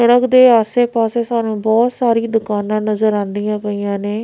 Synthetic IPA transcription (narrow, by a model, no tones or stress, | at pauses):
əɽəkd̪eːaːseːpaːseːsaːnũːbɔːt̪saːɾiːd̪ʊkaːnãːnəzəɾãːnd̪ijãːpəijãːneː